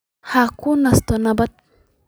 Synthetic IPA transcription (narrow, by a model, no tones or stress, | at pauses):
hakunɐst̪onabɐt̪̚